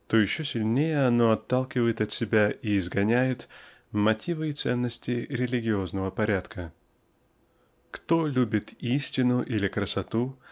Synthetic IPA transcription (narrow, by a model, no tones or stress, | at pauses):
t̪ojɪɕːosʲɪlʲnʲejəɐno̞ɐt̪ːalˠkʲɪvəjɪt̪ɐt̪sʲɪbʲaʔiːzɡɐnʲæjɪt̪ | mɐtʲʰivɨɪt̪sɛnːəsʲtʲɪɾʲɪlʲɪɡʲɪo̞znəvəpɐɾʲat̪kʰə | kt̪o̞lʲubʲɪt̪isʲtʲɪnʊʔilʲɪkɾəsɐt̪u